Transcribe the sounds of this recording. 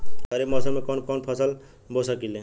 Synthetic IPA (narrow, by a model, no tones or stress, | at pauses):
ʌɾemʌsʌmekɔnkɔnpʰʌsəl | bʱosʌkilẽ